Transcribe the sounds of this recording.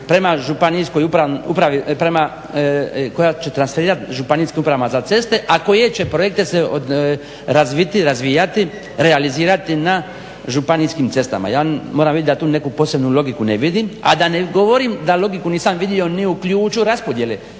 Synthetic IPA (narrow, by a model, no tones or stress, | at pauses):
pɾe̞maʒupanisko̞jupɾaṵpɾaʋipɾema | ko̞jat͡ʃe̞t̪ɾansfeɾiːɾat̪ʒupaniskimupɾaʋamazat̪se̞st̪e̞ʔako̞je̞t͡ʃe̞pɾo̞je̞k̚t̪e̞seo | ɾazʋit̪iɾazʋijat̪i | ɾealiziːɾat̪ina | ʒupaniskimt̪se̞st̪a̰ma̰jaːmo̞ːɾamʋid̪ʲt̪d̪at̪uːne̞kupo̞ːse̞bnulo̞ɡikuneʋid̪ima̰d̪aneɡo̞ʋo̞ɾimd̪alo̞ɡikuniːsamʋid̪io̞niuklʲʎuːt͡ʃuɾaspo̞d̪je̞le